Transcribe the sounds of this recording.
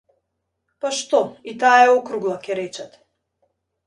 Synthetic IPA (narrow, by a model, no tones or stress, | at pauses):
paʃt̪ɔit̪aɛɔkɾuɡlˠakʲɛɾɛt͡ʃɛt̪